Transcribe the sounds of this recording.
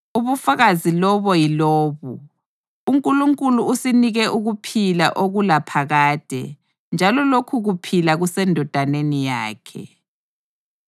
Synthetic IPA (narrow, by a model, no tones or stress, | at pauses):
uβufaɣazilɔβɔjilɔːβu | uŋkʼuluŋkʼuluusiniɣɛʔuɣupʰila̰ʔoɣulapʰaɣaːd̥ʱɛ̰ | nd͡ʒʱalɔlokʰuɣupʰilaɣusɛndʱɔd̥ʱanenijaːkʰɛ̰